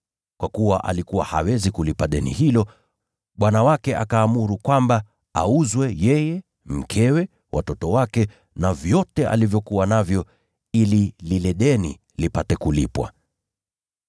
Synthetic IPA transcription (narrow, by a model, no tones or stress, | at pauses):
kwʔakuwaʔa̰likuwaha̰wɛzikulipaɗɛnḭhilɔ | ɓwanawakɛʔa̰kaːmuɾukwamba | a̰uzwɛjɛjɛ | m̩kʰɛwɛ | wʔa̰tɔtɔwakɛ | navjɔtɛʔa̰livjɔkuwanavjɔ | ilililɛɗɛni | lipatɛkulipwa̰